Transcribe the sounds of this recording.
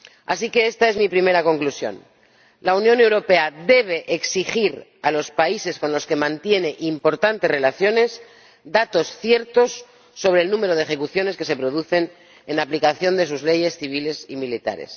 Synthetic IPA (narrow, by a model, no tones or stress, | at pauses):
a̰sike̞est̪ae̞zmipɾime̞ɾako̞ŋklusjo̞̰n | launjõ̞ne̞wɾo̞pe̞ad̪e̞β̞e̞ʔeksixiɾalo̞spaise̞sko̞nlo̞ske̞mãnt̪je̞ne̞ʔimpo̞ɾt̪ant̪e̞re̞laθjo̞ne̞s | d̪at̪o̞sθje̞ɾt̪o̞sː | o̞βɾeːlnũme̞ɾo̞ðexe̞kuθjo̞ne̞ske̞se̞pɾo̞ðuθe̞n | enaplikaθjo̞nd̪e̞s̬uzle̞je̞sθiβ̞ile̞similit̪a̰ɾe̞̰s